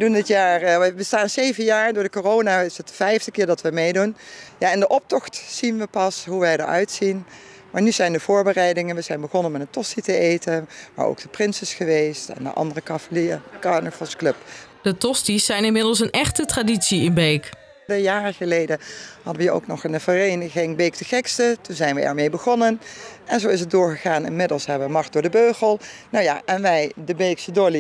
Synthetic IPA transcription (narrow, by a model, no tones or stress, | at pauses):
dundɪtjaːɹəʋəstaːnzejvənjaːɹdʊːɹdəkorownaɪsətfɛjvdəkɪːɹdɑtʋəmejdunjaɪndəʔɔp̚tɔxtsinʋəpɑsɦuʋɛjdə̰ɹœ̰ɥtsin | maːɹnyzɛjndəv̥ʊːɹbərɛjdɪŋənʋəzɛjnbəχɔnənmɛtəntɔstitəʔejtənʋa̰ːɹo̰wɡ̚d̥əprɪnsɪsxəʋejstɛ̰ndə̰ʔɑ̰ndərəkɑvliəkɑɹnəfəlˠsklɵpdətɔstisːɛjnɪnmɪdəlˠs̬ənɛχtətraditsiɪnbejk | dəjaːrəχəlejdəhɑdəʋəo̰wknɔχənəvərejnəɣɪŋbejk̚təχɛkstətunzɛjnʋəʔɛ̰ɹmejbəχɔnənɛnzowɪs̬ət̚dʊːɹχəχaːnɪ̰nmɪdəlˠsɦɛbəʋəmɑχt̚dʊːɹdəbøːɣəlˠnawja̰ʔɛnʋɛjdəbejksədoli